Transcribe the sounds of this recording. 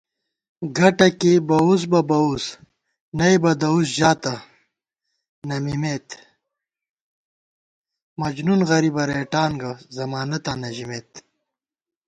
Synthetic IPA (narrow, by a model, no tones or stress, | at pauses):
ɡɐʈɐkibɐus̬bɐbɐus | nɐjbɐd̪ɐusʑaːt̪ɐ | nɐmimet̪ | mɐd͡ʑnunɣɐɾibɐɾeːʈaːnɡɐzɐmaːnɐt̪anɐʑimeːt̪